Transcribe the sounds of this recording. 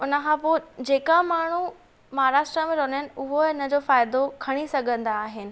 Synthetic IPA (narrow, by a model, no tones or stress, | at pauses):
ʊnəkʰãːpoːd͡ʑeːkamaːɽ̤u | mɐɦaɾaːʃʈɾəmẽɾoːnɦɪnɪ̆ʊɦoʊnəd͡ʑoːfaːɪd̪okʰɐɽ̃isɐɡʱə̃nd̪aːɦɪnɪ̆